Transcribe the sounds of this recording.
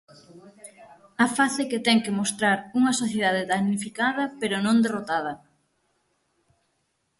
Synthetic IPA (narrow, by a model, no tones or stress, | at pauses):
ɐfaθeket̪ɛŋkemost̪ɾaɾuŋɐsoθjeð̞aðeðaɣnifikaðɐpeɾonõnd̪erot̪að̞ɐ